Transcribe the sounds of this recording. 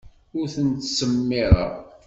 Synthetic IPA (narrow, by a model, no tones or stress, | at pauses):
ʊɾθənt̪səmːɪɾˤɑ̰ʁ